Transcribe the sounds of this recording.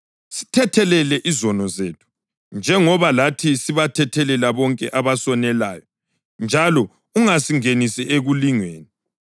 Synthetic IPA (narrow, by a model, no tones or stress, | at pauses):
si̥tʰɛtʰɛlɛlɛʔizɔnɔzeːtʰu̥ | nd͡ʒʱɛŋɔβalatʰisiβatʰɛtʰɛlɛlaβɔŋkʼɛʔaβasɔnɛlaːjɔ | nd͡ʒʱalɔ | uŋasiŋenisɛeɣuliŋweːni